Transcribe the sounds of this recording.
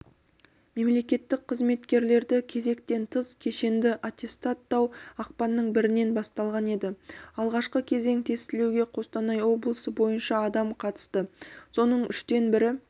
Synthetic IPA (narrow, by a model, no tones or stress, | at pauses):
me̞mle̞kʲe̞t̪ːɪk̚qʰəzme̞t̪kʲe̞ɾle̞ɾd̪ɪkʲʰe̞ze̞kt̪e̞nt̪ʰəzkʲʰe̞ʃe̞nd̪ɪʔat̪ʲe̞st̪at̪ːɑwɑq̚pɑnːəɴbɪɾɪne̞nbɑst̪ɑlˠʁɑne̞d̪ɪɑlˠʁɑʃqəkʲʰe̞ze̞ŋt̪ʰe̞st̪ɪlewɡʲe̞qʰo̞st̪ɑnɑjwo̞blˠəsəbo̞jənʃɑːd̪ɑmqʰɑt̪ə̥st̪əso̞nəɴʔʏ̰ʃt̪e̞nbɪɾɪ